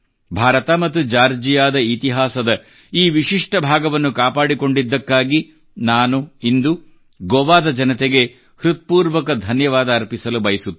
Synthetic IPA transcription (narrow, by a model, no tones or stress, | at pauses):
bʱaːɾɐt̪ɐmɐt̪ːud͡ʒaːɾd͡ʒijaːd̪ɐit̪iɦaːsɐd̪ɐ | iːʋiʂiʂʈɐbʱaːɡɐʋɐnːukaːpaːɽiko̞ɳɖid̪ːɐkːaːɡi | naːnuind̪u | ɡɔʋaːd̪ɐd͡ʒɐnɐt̪eɡe̞ | hɾut̪̚ɐ̥puːɾʋɐkɐd̪ʱɐnjɐʋaːd̪ɐːɾpisɐlubɐjɐsut̪ː